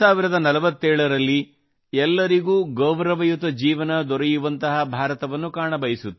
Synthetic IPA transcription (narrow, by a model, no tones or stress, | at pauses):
aːʋiɾɐd̪ɐnɐlɐʋɐt̪ːɛːɭɐɾɐlːi | ɛlːɐɾiɡuːɡɐwʋɾɐʋɐjut̪ɐd͡ʒiːʋɐnɐd̪ɔɾɛjuʋɐnt̪ɐɦɐbʱaːɾɐt̪ɐʋɐnːukaːɳɐbɐjisut̪ː